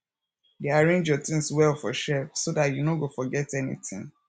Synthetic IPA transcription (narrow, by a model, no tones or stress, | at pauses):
diaɹẽnd͡ʒɔtĩŋswɛlfɔ̰ʃɛpsodatjunoɡofɔɡɛtɛnḭtɪ̰̃ŋ